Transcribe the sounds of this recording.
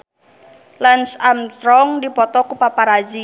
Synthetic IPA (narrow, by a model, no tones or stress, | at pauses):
lansamt̪ɾɔŋdipɔt̪ɔkupapaɾad͡ʒi